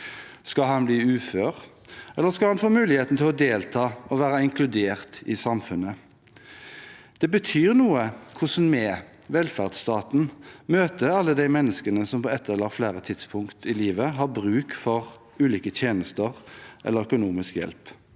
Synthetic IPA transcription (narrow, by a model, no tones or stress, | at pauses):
skɑhɑnbliːʉːføːʁ | ɛlːəskɑlhɑnfoːmʉːlɪheːt̪n̩t̪ɪlɔd̪eːlt̪ʰɑːɔʋæːɾəɪŋkʰlʉd̪eːʁt̪ɪsɑmfʉnːə | d̪̥ɛbət̪ʰyːʁnuːəkʰʊsn̩mɛː | ʋɛlfæʁd̪st̪ɑːt̪n̩møːt̪əɑlːəd̪æɪmɛnːəskənəsɔmpɔːɛt̪ʰːɛlːəflæːʁət̪ʰɪd̪spʰʊŋkt̪ʰɪliːʋəɦɑːbʁʉːkfɔʁ | ʉːliːkət̪ʰjeːnəst̪əʁʔɛ̰lːəœkʊnuːmɪskjɛ̰lp